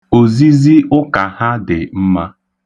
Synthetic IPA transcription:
o˨zi˦zi˦ʊ˦ka˨ha˦dɪ˨m̩˦ma˦

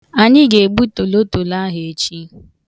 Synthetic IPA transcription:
a˨ɲɪ˦ɡe˨e˨ɡ͡bu˦to˨lo˦to˨la˦ɦe˨e˨t͡ʃi˦

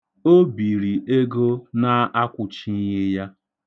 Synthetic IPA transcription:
o˦bi˨ɾi˨ʔe˦ɡo˦na˦a˦kʷʊ˨t͡ʃi˦n̩˦ɣɪ˦ja˦

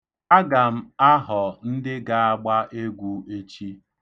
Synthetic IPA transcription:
a˦ɡa˨m̩˦a˦ɦɔ˨n̩˦dɪ˦ɡa˦a˦ɡ͡ba˦ʔe˦ɡʷu˦e˦t͡ʃi˦

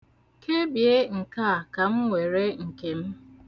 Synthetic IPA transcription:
kʰe˦bje˦ŋ̩˨ka˦˨ka˨m̩˦ŋʷe˨ɾe˦ŋ̩˨ke˨m̩˦

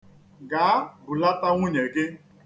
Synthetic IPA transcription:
ɡaː˨a˦bʊ˨la˦ta˦ŋʷʊ˦ɲe˨ɡɪ˦

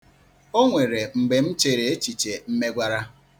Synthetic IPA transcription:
o˦ŋʷe˨ɾe˨ŋ͡m̩˨ɡ͡be˨m̩˦t͡ʃe˨ɾe˨e˦t͡ʃi˨t͡ʃe˨m̩˦me˦ɡʷa˦ɾa˦

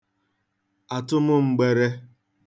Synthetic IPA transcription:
a˨tʊ˦mʊ˦ŋ͡m̩˨ɡ͡be˨ɾe˦

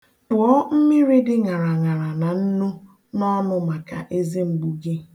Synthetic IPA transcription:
tʊ˨ɔ˦m̩˦mi˦ɾi˦dɪ˦ŋa˨ɾa˨ŋa˨ɾa˨na˨n̩˦nu˦ | nɔ˦nʊ˦ma˨ka̰˨ʔe˦ze˦ŋ͡m̩˨ɡ͡bu˨ɡi˦

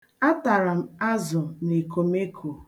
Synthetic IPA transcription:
a˦ta˨ɾa˨m̩˦a˦zʊ˨ne˨ko˨me˦kʰo˨

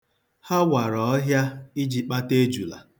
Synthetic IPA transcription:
ha˦wa˨ɾɔ˨˦ɦja˦i˦d͡ʒi˨k͡pa˦te˦d͡ʒu˨la̰˨

